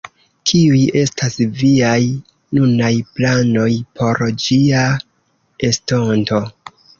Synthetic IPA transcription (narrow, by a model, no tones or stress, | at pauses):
kʰiuje̞stasviaj | nunajplano̞jpʰo̞ɾd͡ʒia | esto̞nto̞